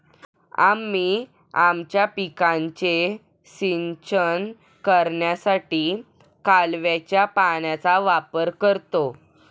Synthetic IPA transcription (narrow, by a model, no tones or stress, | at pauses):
a̰mːiː | amt͡ɕjapikãɲt͡ɕe | sint͡ɕən | kəɾɳjasaʈiː | kalʋjat͡ɕjapaɳjat͡saʋapəɾkəɾt̪o